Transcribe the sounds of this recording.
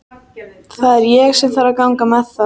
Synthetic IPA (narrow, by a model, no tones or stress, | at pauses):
θaðɛɾjɛɣsɛt̪θfaɾaðkawŋkamɛθa